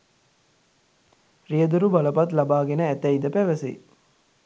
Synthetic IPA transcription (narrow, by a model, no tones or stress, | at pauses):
rijəd̪uɾubaləpɐt̪labaːɡenəæt̪æid̪əpæʋəsḛ